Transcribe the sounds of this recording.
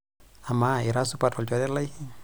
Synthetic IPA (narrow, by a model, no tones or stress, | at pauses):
amaiɾasupatɔlt͡ʃɔdɛlaj